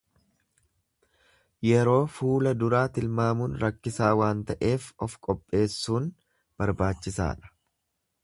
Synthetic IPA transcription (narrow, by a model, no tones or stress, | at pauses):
jɛɾo̞ːfuːlɐd̪ʊɾaːt̪ɪlmaːmuːnɾɐkːɪsaːwaːnt̪ɐʔe̞ːfɔfkʼɔpʼːe̞ːsːuːn | b̥ɐɾbaːt͡ʃːɪsa̰ːᶑɐ̥